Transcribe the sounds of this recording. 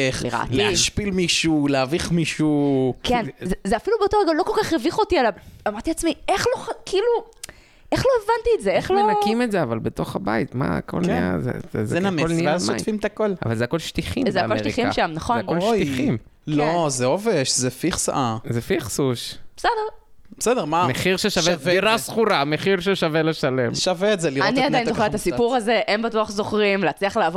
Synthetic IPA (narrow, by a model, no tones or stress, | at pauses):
eχlḭʁa̰laʃpilmiʃuleaviχmiʃukenzezeafilubeotoeɡalo̞kolkaχeviχo̞t̪ialavamaʁt̪iat͡smieχlokilu | ʔeχlo̞evant̪ietzeeχlonakimetzeavalbeto̞χaba̰it̪ma̰a̰ko̞̰lnḭja̰zḛzzenameolnieazmojfimet̪akola̰valzeako̞lʃt̪iχimzeakːmoeʃʁt̪iχimʃamnaχo̞anolʃojiχim | lozeoveʃzefiχsa̰ʔazefiχsuʃb̥esedeʁ | besedeʁmameχiʁʃeʃaveviʁasχuʁameχiʁʃeʃaveleʃalemʃaveːtzeliʁaniadajinzoχeet̪asipuʁazeʔembatuaχzoχʁimleat͡sliɐχleav